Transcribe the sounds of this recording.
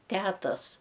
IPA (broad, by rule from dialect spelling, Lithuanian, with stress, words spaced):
ˈtʲæːtɐs